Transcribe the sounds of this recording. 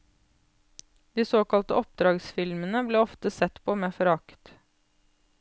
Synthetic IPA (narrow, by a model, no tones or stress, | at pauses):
d̪iːsoːkɑlt̪ə̰ɔp̚d̪ɾɑːɡsfɪlmənəbleːɔft̪əsɛt̪pʰoːmeːfɔɾɑkt̪